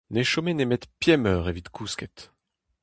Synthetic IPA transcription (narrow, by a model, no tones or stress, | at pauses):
neʃomenemet̪pjɛmœːʁevit̪kʰuskɛt̪